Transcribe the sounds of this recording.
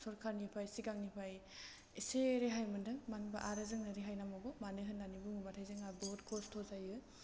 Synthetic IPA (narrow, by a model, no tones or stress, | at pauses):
sɔɾkʰaɾnipʰajsiɡaŋnipʰaj | iseɾeɦajmɯndɯŋmanbaʔaɾɯzɯŋnɯɾeɦajnamɔbɔmanɯɦɯnːanibuŋɯbatʰajzɯŋabɔtkʰɔstʰɔzajɯ